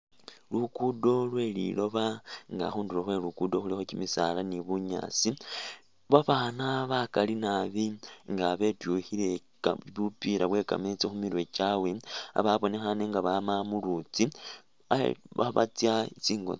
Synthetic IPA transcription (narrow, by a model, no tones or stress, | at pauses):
lukudo̞lwe̞lḭlo̞βaŋɡa̰xuːnduloxwe̞lukudo̞xulixo̞cimisa̰laniβuɲa̰ːt͡si | βaβaːnaβakalinaβiŋɡaβe̞tjuhile | βupiɾaβwe̞ːka̰met͡sexumiɾwe̞t͡ʃawe̞a̰βaβo̞ne̞xaneŋɡaβamamulut͡si | a̰βa̰βa̰t͡sjait͡siːŋɡo̰